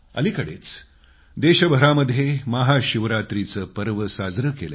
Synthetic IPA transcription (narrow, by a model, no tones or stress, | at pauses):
ə̰likəɽet͡s | d̪eɕəbʱəɾaməd̪ʱːjeməɦaɕiʋɾat̪ɾit͡səːpəɾʋəsad͡zɾəkele